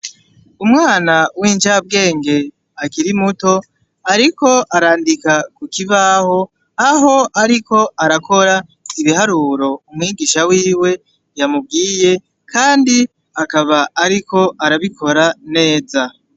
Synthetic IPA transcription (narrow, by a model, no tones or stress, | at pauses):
umŋaːnawiːnd͡ʒab̚ɡe̞ːŋɡe̞ | akiɾimuto̞ | aɾiko̞aɾaːndikakukiβaho̞ | aɦo̞aɾiko̞aɾakʰo̞ɾaiβihaɾuːɾo̞umŋiːɡiʃawiːwe̞ | jamub̚ɡiːje̞ | kʰaːndi | akaβaaɾiko̞ʔaɾaβikʰo̞ɾane̞ːza